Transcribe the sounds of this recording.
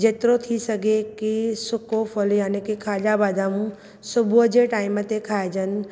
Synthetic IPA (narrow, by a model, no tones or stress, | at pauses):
d͡ʒet̪ɾot̪ʰisəɡekisʊkofʰɔljaːnikikʰaːd͡ʒabaːd̪amũ | sʊbʱud͡ʒeʈaːɪmət̪ekʰaːed͡ʒən